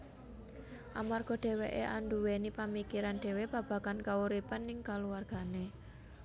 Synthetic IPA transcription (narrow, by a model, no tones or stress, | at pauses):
ʔamarɡ̥ɔ̤ɖ̥e̤weʔeʔaɳɖuwenipamikiɾanɖ̥e̤web̥ä̤b̥ä̤kankauɾipanːɪŋkaluwarɡ̥a̤ne